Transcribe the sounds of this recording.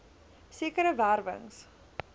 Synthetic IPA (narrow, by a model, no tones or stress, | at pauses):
siəkəɾəværvə̰ŋs